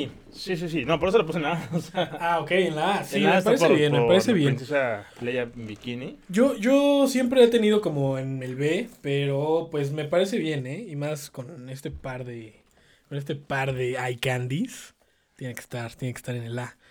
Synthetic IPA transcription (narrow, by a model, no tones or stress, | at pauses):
i | sis̬is̬inopoɾes̬olapusenlaasaao̞ke̞jenlaasimepaɾeβjenmepaɾeseβjensesaleʝambikiniɟ͡ʝo̞ʝo̞sje̞mpɾeet̪e̞nið̞o̞ko̞mo̞e̞ne̞lβe̞pe̞ɾo̞pwe̞s̬me̞paɾe̞s̬e̞βje̞ne̞imasko̞ne̞st̪e̞paɾðe̞ | kone̞st̪e̞paɾðe̞ajkand̪is | t̪je̞neke̥st̪aɾt̪je̞neke̥st̪aɾene̞la